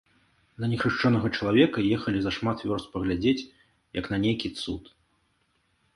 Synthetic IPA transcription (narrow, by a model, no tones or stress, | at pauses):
d̪ɐnʲɛxɾɨʂt͡ʂɔnɐɣɐt͡ʂɐlˠavʲɛkɐjɛxɐlʲizɐʂmat̪vʲɔrst̪pɐɣlʲad͡zʲet͡sʲ | jɐknɐnʲejkʲit̪sṵt̪